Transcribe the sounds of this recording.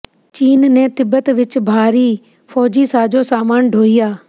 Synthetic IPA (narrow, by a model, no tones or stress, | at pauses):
t͡ʃiːnnẽːt̪ɪbət̪ʋɪt͡ʃbʱaːɾiː | pʰɔːd͡ʒiːsaːd͡ʒoːsaːmaːnɖʱoːijaː